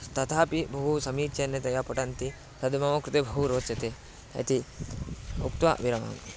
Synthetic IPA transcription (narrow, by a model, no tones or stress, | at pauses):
t̪ɐt̪ʰaːpibʱɐɦusɐmiːt̪t͡ʃɐnːɐt̪ɐjapɐʈɐnt̪i | sɐd̪ɐmɐmɐkɾut̪ebʱɐɦuɾoːt͡ʃɐt̪e | ɐ̰t̪i | ukt̪ʋa̰ʋiɾɐmɐ̰m